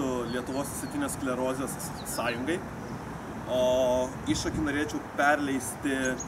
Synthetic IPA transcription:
ʊlʲiɛt̪ʊʋoːsʲsʲɛt̪ʲiːnʲeːsklʲɛɾoːzʲɪjoːs | sɑːjʊŋɡɐɪ | oː | iʃɐkʲɪnoːɾʲeɛt͡ʃʲɛʊpʲɛɾʲlʲɛɪsʲt̪ʲɪ

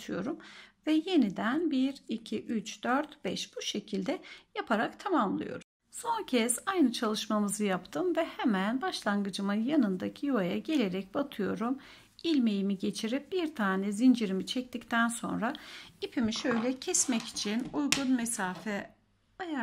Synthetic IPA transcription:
t̪ʰɯjo̞ɾumvɛje̞nid̪ænbiɾicʰiʔyt͡ʃd̪øɾt̪b̥ɛʃb̥uʃe̞cʰilʲd̪ɛjapʰaɾakt̪ʰamamlˠɯ̰jo̞̰ɾum | so̞ncʰɛsajnɯt͡ʃʰalˠɯʃmamɯzɯjapt̪ʰɯmvɛhɛmænbaʃlˠanɡɯd͡ʒɯmɯnjanɯnd̪acʰijuajaɟe̞lʲe̞ɾɛc̚bat̪ʰɯjo̞ɾum | ilʲme̞jimiɟe̞t͡ʃʰiɾip̚b̥iɾt̪ʰaːnɛzind͡ʒiɾimit͡ʃʰɛc̚t̪ʰict̪ʰænso̞̰nɾaipʰimiʃø̞jlʲɛcʰɛsmɛci̥t͡ʃʰinujɡunmɛsaːfɛ | aja

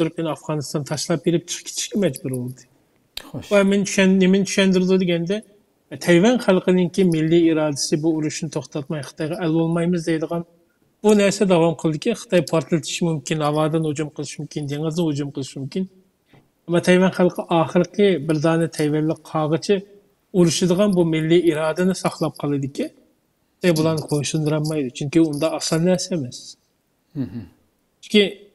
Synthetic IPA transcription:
t̪uɾp̚kʲinɑfʁɑːnɨst̪ɑnt̪ʰɑʃlˠɑp̚jeɾɪp̚t͡ʃʰə̥χkʲi̥t̪ʰi̥ʃkʲɛmɛd͡ʒbuɾbolˠɨd̪ɨ | wɛmɛnt͡ʃ̪ʰʃnemɪnt͡ʃ̪ʰy̥ʃɛnd̪ɪɾɪd̪ud̪ɪɡʲɛnd̪ɛ | t̪ʰɛjvɛnχælˠqəd̪ɪŋkʲimilːiiɾɑːd̪ɪsɨbuuɾuʃnɨt̪ʰoχt̪ɑt̪̚mɑjχə̥t̪ʰɑjʁɑʔɛlbolˠmɑjmɨzd̪ɛjd̪əʁɑn | b̥unɛɾsɛd̪ɑwɑmqʰəlˠd̪ɪkʲiχə̥t̪ʰɑjpʰɑɾt̪ʰɨlˠɨt̪ʰɪ̥ʃimumkʲinhɑvɑːd̪ɨnhod͡ʒumqʰəlˠɨʃimumkʲind̪eŋɨzd̪ɨnhod͡ʒumqʰəlˠɨʃimumkʲin | ɛmːɑt̪ʰɛjvɛnχælˠqʰəʔɑːχəɾəqʰəbɪɾd̪ɑːnɨt̪ʰɛjvæɾlɪk̚qʰːɑːʁət͡ʃʰɪ | uɾuʃɨd̪əʁɑnbumɪlːiiɾɑːd̪ɨnɨsɑχlˠɑp̚qʰɑlˠɨd̪ɪkʲʰi | t̪ɛjbulˠɑnɨqʰoʃund̪ɨɾɑnmɑjd̪ut͡ʃʰyŋkʲiund̪ɑːsɑnnɛɾsɛːmɛs | t͡ʃt͡ʃʰkʲi

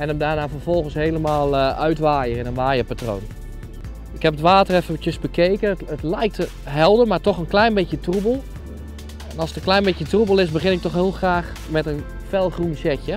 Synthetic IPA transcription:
ɛnəmdaːnaːfərfɔlˠɣənsheːləmaːlˠœɥtʋaːjəɪnənʋaːjəpatro̰ːn | ɪkhɛpətʋaːtərɛfəʋətjəsbəkʰeːkəətlɛjk̚tə | ɦɛlˠdərmartɔxənklɛjnbɪtjətrubəlˠ | ɛnɑlˠsətəklɛjnbɪkjətrubəlˠɪsbəxɪnɪk̚tɔxhɪːlˠxraːx | mɛtən | fɛlˠxrunsɛkjə

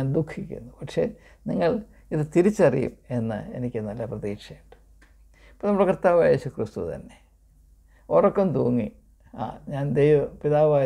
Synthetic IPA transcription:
aːnd̪ukʰːikʲːṵnːupɐʈʂe̞̰niŋːɐɭ | iðɨt̪iɾit͡ɕːɐrijṵme̞nːɨ̰e̞̰nikʲːɨnɐlːɐprɐðiːkʂɐjiʈːɨ̥ | pːonɐmuɽekrt̪ːaːʋaːje̞ːɕukrist̪ut̪ɐ̰nːe̞ | orɐkːɐmt̪uːŋːi | a̰ːɲaːnd̪ejʋɐpiðaːʋaː

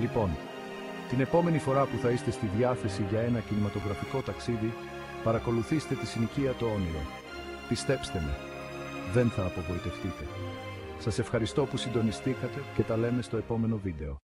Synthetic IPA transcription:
lipo̞n | t̪ine̞po̞me̞nifo̞ɾɐpuθɐist̪e̞st̪iðʝɐθe̞siʝɐe̞nɐcinimɐt̪o̞ɣɾɐfiko̞t̪ɐksiði | pɐɾɐko̞luθise̥t̪e̞t̪isiniçiɐt̪oo̞niɾo̞̰ | pist̪e̞pst̪e̞mḛ | ðe̞nθɐːpo̞vo̞it̪e̞ft̪it̪e̞ | sɐse̞fxɐɾist̪o̞pusind̪o̞nist̪ikɐt̪e̞ce̞t̪ɐle̞me̞st̪o̞e̞po̞me̞no̞vid̪e̞o̞

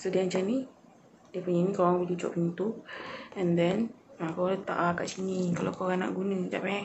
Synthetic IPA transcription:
sodiaɲt͡ʃani | diəpuɲanĩkoɣaŋbəlt͡ʃut͡ʃɔ̰ʔpint̪uɛ̃ndɛnakaaŋlət̪a̰ʔaka̰ʔt͡ʃinikalokoɣaŋna̰ʔɡunə̃d͡ʒa̰pɛ

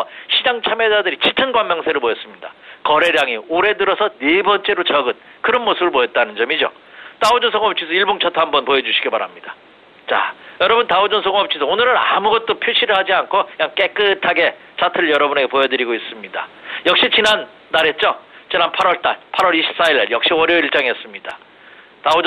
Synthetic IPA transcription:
ɕʰid͡ʑaŋt͡ɕʰamed͡ʑadɯɾit͡ɕʰitʰɯnɡwaŋmjʌŋsʰe̞ɾɯɭpojʌs͈ɯmɲida̰kʌɾe̞ɾjaŋioɾe̞dɯɾʌsʰʌne̞bʌnt͡ɕ͈e̞ɾot͡ɕʌɡɯn | kɯɾʌnmosʰɯbɯɭpojʌt̚t͈anɯnd͡ʑʌmid͡ʑo̰ | taod͡ʑonsʰʌŋʌp̚t͡ɕʰis̬ʰʌiɭboŋt͡ɕʰatʰoɦambʌnpoed͡ʑuɕʰi̥ɡebpaɾa̰mɲida | t͡ɕa̰jʌɾʌbuntaod͡ʑʌnsʰʌŋʌp̚t͡ɕʰisʰʌonɯɾɯɾamuɡʌt̚t͈opʰjoɕʰiɾɯɭhad͡ʑiankʰojaŋk͈e̞k͈ɯtʰaɡe̞ | t͡ɕatʰɯɾɯɭjʌɾʌbune̞ɡe̞pojʌdɯɾiɡois͈ɯmɲida̰jʌk̚ɕ͈it͡ɕinanː | aɾe̞t̚t͡ɕ͈ot͡ɕinanpʰaɾwʌɭt͈a̰ɭpʰaɾwʌɾiɕʰi̥p̚s͈aiɾa̰ɭjʌk̚ɕ͈iʌɾjʌiɭt͡ɕ͈aŋiʌs͈ɯmɲida̰ | tao

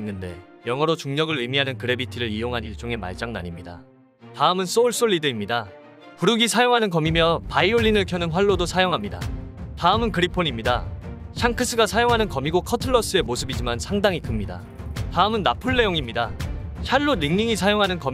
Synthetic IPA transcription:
nːɯnde̞̰jʌŋʌɾot͡ɕuŋɲʌɡɯɭɯmiɦanɯnkɯɾe̞bitʰiɾɯɾijoŋɦaniɭt͡ɕ͈oŋe̞ma̰ɭt͡ɕ͈aŋna̰ɲimɲida̰ | taɯmɯns͈ouɭs͈oɭːidɯimɲida | puɾɯɡisʰajoŋɦanɯnkʌmimjʌpaioʎːinɯɭkʰjʌnɯnɸwaɭːodosʰajoŋɦamɲida̰taɯmɯnkɯɾipʰoɲimɲidaɕʰaŋkʰɯs͈ʰɯɡasʰajoŋɦanɯnkʌmiɡokʰʌtʰɯɭːʌs͈ɯe̞mosʰɯbid͡ʑimansʰaŋdaŋikɯmɲida̰ | taɯmɯnːapʰuɭːe̞joŋimɲidaɕʰaɭːoniŋɲiŋisʰajoŋɦanɯnkʌm

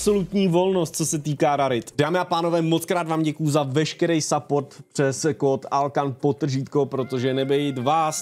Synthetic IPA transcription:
pso̞lut̪ɲiːvo̞lno̞st̪̚t͡sosɛt̪iːkaːɾaɾɪt̪d̥aːmɪapaːnovɛːmo̞t͡skɾaːd̪vaːmɟɛkujuzavɛʃkɛɾɛjsapoɾt̪pr̥ɛskoːt̪alkanpot̪ːr̩ʒiːt̪kopɾo̞t̪o̞ʒɛnɛbɛjɪt̪vaːs

